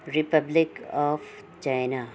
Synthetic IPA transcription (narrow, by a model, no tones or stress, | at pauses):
ɾɪpəblɪkɔːf | t͡ʃaɪna